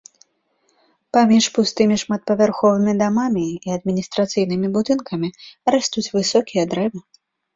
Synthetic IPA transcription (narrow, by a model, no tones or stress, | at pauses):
pamʲiʂpust̪ɨmʲiʂmat̪̚pɐvʲarxɔvɨmʲid̪amamʲiiɐd̪mʲinʲist̪ɾat̪sɨjnɨmʲibud̪ɨnkɐmʲiɾast̪ut͡sʲvɨsɔkʲijɐd̪ɾɛvɨ